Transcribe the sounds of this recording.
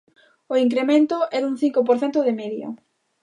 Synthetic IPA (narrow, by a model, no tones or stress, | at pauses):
oiŋk̬ɾemẽnt̪ʊɛðuŋθiŋkop̬oɾθɛnt̪ʊðɪmɛðjo̰